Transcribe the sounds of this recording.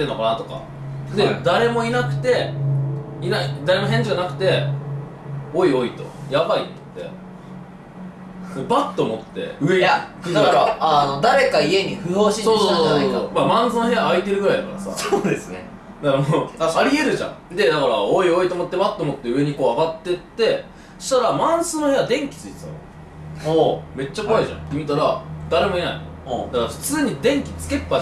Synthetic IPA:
t̪enːo̞kanat̪oka̰ | d̪e̞d̪aɾe̞mo̞inakɯ̟̥t̪e̞ | inaid̪aɾe̞mo̞ɦẽ̞ɲ̟d͡ʑiɡanakɯ̟̥t̪e̞ | oio̞it̪o̞̰jabaḭt̪t̪ːe̞̰ | d̪ebat̪ːo̞mo̞t̪ːe̞̰ɯ̟ed̪akɾanod̪aɾe̞kaie̞ɲ̟iɸɯoɕisoːsoːsomamãnzɨno̞ɦe̞jaːit̪e̞ɾɯ̟ɡɯ̟ɾajd̪akːa̰ɾasa̰sod̪esɨne | d̪akɾaoaɾʲie̞ɾɯ̟ʑã̰ŋd̪e̞d̪akaɾaoio̞it̪omo̞t̪ːe̞bat̪ːomo̞t̪ːe̞ɯ̟e̞ɲ̟iko̞ːaɡat̪ːe̞t̪ːe̞ | ɕi̥t̪aɾamãɰ̃sɨno̞head̪ẽ̞ŋkʲi̥t͡sɨit̪esa̰ | ome̞t͡ɕːakoaiʑã̰t̪ːemʲit̪aɾad̪̥aɾe̞mo̞ena̰inod̪akaɾaɸɯ̟̥t͡sɨːɲ̟id̪ẽ̞ŋkʲi̥t͡sɨ̥ke̞pːa

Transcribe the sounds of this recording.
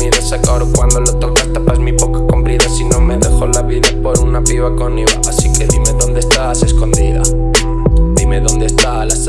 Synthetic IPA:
iðesakoɾokwand̪olot̪okast̪apazmipokakompɾiðasinõmeðexolaβiðapoɾunapiβakoniβa̰ʔasikeðimeðõnd̪est̪aseskond̪iða̰ | ðimeðond̪est̪alas

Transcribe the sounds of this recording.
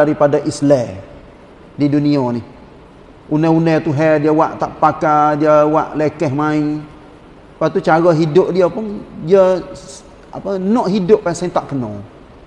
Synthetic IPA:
aɾipadaʔislɛ | diduniɔnɪh | unɛunɛt̪uɦɛdiəwaʔt̪aʔpakadiəwaʔlekɛɦmai | pat̪ut͡ʃaɣɔɦidʊʔdiəpʊŋdiə | a̰pənɔʔɦidʊʔpasɛnt̪aʔkənɔ̰

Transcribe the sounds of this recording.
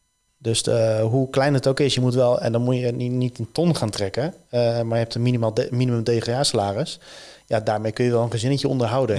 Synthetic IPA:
døsɦuklɛjndətowkɪsjəmutʋɛlˠɛ̰ndɔnmujənitəntɔnχaːntrɛkəmaɹjɦɛptənminimaminiməmdejχeaːsalaːrəsjadaːɹmejkønjəʋɛlˠənχəzɪnəjəo̰ndərɦawdə

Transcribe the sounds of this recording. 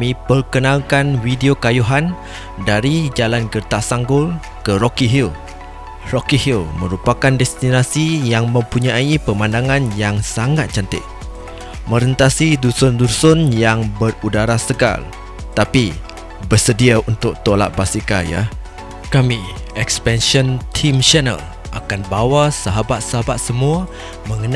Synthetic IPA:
mĩpərkənãlkanwidiokajuɦan | daɾid͡ʒalanɡərt̪asaŋɡʊl | kəɾɔkiɦil | rɔkihilməɾupakandɛst̪inasijaŋmə̃mpuɲaipəmandaŋãnjaŋsaŋat̪̚t͡ʃant̪ɪ̰ʔ̚ | mə̃ɾənt̪asidusɔndusɔnjaŋbərudaɾasəɡa̰l | t̪api | bərsədiaunt̪ʊk̚t̪ola̰ʔ̪̚basikaja̰ | kami | ɛkspɛnʃɔnt̪ʰimt͡ʃɛnə̰l | ʔa̰kanbawasaɦabat̪̚saɦabat̪̚səmũa | mə̃ŋən

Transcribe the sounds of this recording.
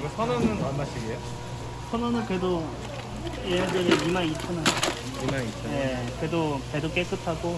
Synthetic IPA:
ɡʌsʰʌnʌnɯnmanmaɕʰiɡejo | sʰʌnʌnɯnkedo | ejadɯɾeimanit͡ɕʰʌna | imait͡ɕʰʌje̞kedopedok͈e̞k͈ɯtʰaɡo

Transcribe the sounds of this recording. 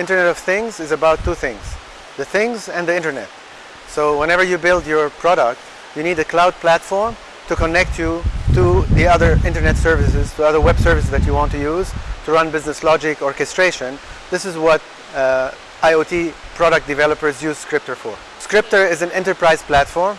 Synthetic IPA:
ɪ̃ntə˞nɛɾʌv̥θɪ̃ŋzɨzəbaʊtʰːuθɪ̃ŋz̥ | ðɨθɪ̃ŋzɨ̃nðiɪ̃ntə˞nɛ̰t̚ | soʊwɛ̃ñɛvə˞jɨbɪlˠdjə˞pʰɹ̥ɑɾək̚t | jɨnidɨkʰl̥aʊd̚pʰlætfɔɹm | tukənɛk̚tʰutuðiʌðə˞ɪ̃ntə˞nɛtsɜ˞vɪsɪz̥tʰuʌðə˞wɛb̥sɜ˞vɪsɨzðæt͡ʃɨwɑ̃ntʰujuz̥tʰuɹʌ̃nbɪznɨslɔd͡ʒɪkɔɹkɨstɹ̥eɪʃə̃nðɪsɨzwʌt | aɪoʊtʰipʰɹ̥ɑɾək̚t̚d̥ɨvɛlˠəpə˞zjʉːz̥skɹɪp̚tə˞fɔɹ | skɹɪp̚tə˞ɪzɨ̃nɛ̃ntə˞pʰɹ̥aɪz̥pʰlætfɔɹm

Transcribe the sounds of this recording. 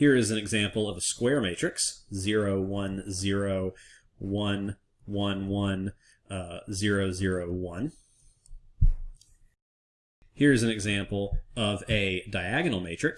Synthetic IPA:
hiɹɨzɨ̃n̩ɨɡzæ̃mpl̩ˠʌvəskwɛɹmeɪt͡ʃɹ̥ɨkszɪɹoʊwʌ̃nzɪɹoʊ | wʌ̃n | wʌ̃nwʌ̃n | zɪɹoʊzɪɹoʊwʌ̃n | hiɹɨzɨ̃n̩ɨɡzæ̃mpl̩ˠʌvɨdaɪæɡɨnl̩ˠmeɪt͡ʃɹ̥ɨk

